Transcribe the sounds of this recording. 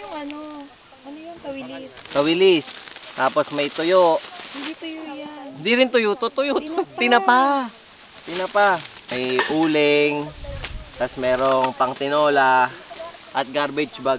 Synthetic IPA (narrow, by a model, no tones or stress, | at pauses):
t̪ɐwɪlɪst̪aːposmɐjt̪ʊjoʔ | hɪnd̪iɾɪnt̪ʊjʊt̪ot̪ʊjʊt̪ot̪ɪnɐpa | t̪ɪnɐpamɐjʔuːlɪŋ | t̪ɐsmɛːɾoŋpɐŋt̪ɪnoːla | ʔɐt̪̚ɡaɾbɪt͡ʃba